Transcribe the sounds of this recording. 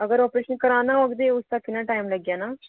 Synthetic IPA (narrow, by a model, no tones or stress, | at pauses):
əɡəɾɔːpɾeːʃənkəɾaːnaɔɡd̪eʊst̪akɪnaʈaːimlɐɡjaːnaː